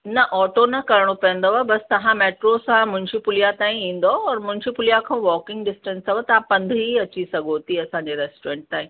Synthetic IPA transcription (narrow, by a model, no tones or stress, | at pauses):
nɐʔɔːʈonɐkɐɾɽ̃opɐə̃nd̪oʋabɐst̪ɐʋãmeːʈɾosãmʊ̃ɦɪ̃ɲd͡ʑipʊlijat̪aːĩĩːn̆d̪oɔːɾmʊ̃ɦɪ̃ɲd͡ʑipʊlijakʰãʋɔːkɪ̃ŋɡɖɪsʈə̃nsɐʋət̪ɐãpɐ̃nd̪ʱɦiɐt͡ɕisɐɡʱot̪ʰiɐsãɲd͡ʑeɾeːsʈɾẽːɳʈ̚t̪aːĩ